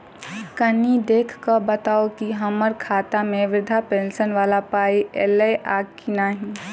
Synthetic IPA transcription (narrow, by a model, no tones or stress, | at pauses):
kənid̪eːkʰkəbət̪aːokiɦɐməɾkʰaːt̪amẽʋɪd̪ʱapẽːnsənʋaːlapaːiʔeleʔaːɡkinaːɦĩ